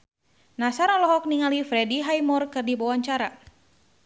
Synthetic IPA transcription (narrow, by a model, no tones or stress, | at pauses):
nasaɾɔlɔɦɔk̚niŋalifɾɛdiɦajmɔrkɨrdibɔwaɲt͡ʃaɾa